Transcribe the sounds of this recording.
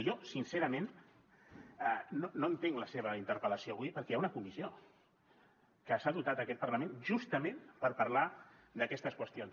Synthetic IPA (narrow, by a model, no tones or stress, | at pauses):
jɔsinseɾəmen | ənonoənt̪eŋləseβ̞əint̪əɾpələsioβujpəɾkɛaunəkumizio | kəsaðut̪at̪əkɛt̪̚pərləmẽnʒust̪əmenpəɾpəɾlad̪əkɛst̪əskwəst̪ions